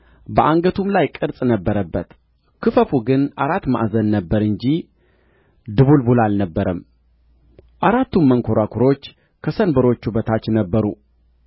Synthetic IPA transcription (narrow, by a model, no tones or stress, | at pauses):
bəʔaŋɡət̪ʰumlajkʼɨɾsʼnəbːəɾəbːət̪ | kʰɨfəfuɡɨnaɾat̪ːma̰ʔzənːəbːəɾɨɲd͡ʒi | d̪ɨβulbulalnəbːəɾəm | ʔaɾat̪ːumməŋkʰo̞ɾakʰuɾo̞t͡ʃː | kʰəsənbəɾo̞t͡ʃːubət̪ʰat͡ʃːnəbːəɾṵ